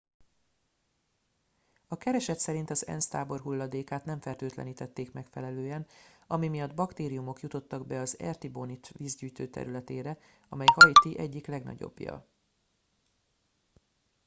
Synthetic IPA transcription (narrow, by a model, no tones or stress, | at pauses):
ɒkɛɾɛʃɛt̪sɛɾint̪ɒzɛ̰nst̪aːbo̞rɦulːɒd̪eːkaːt̪nɛɱfɛrt̪øːt̪lɛ̰niːt̪ɛt̪ːeːkmɛkfɛlɛløːɛnɒmimijɒd̪bɒkt̪eːɾijumo̞kjut̪o̞t̪ːɒɡbɛɒzɛ̰rt̪ibonit̪viːzɟyːjt̪øːt̪ɛ̰ɾylɛt̪eːɾɛɒmɛjhɒjt̪iʔɛɟːiklɛɡnɒ̰ɟo̞̰bːijɒ̰